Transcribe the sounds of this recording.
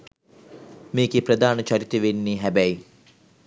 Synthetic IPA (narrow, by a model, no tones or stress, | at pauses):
meːɡeprəd̪aːnət͡ʃaɾit̪əʋenːiɦæbæj